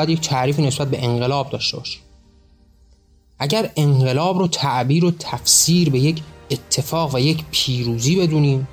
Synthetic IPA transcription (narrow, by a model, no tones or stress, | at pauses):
jæd̪jec̚t̪ʰæʔɾiːfiːnesbæt̪̚be̞ʔeŋɢe̞lɒːb̚d̪ɒːʃt̪ebɒːʃi̥m | ʔæɟæɾe̞ŋɢe̞lɒːbɾɔːt̪ʰæʔbiːɾot̪ʰæfsiːɾbe̞jecʰet̪ʰːe̞fɒːɣvæjecʰpʰiːɾuːziːbe̞d̪uːniːm